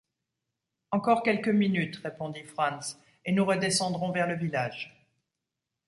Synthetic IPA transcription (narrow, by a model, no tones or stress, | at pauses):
ɑ̃kɔʁkʲɛlkəminyt̪ʁepɔ̃d̪ifχɑ̃ns | enuʁəd̪esɑ̃d̪ʁɔ̃vɛʁləvilaːʒ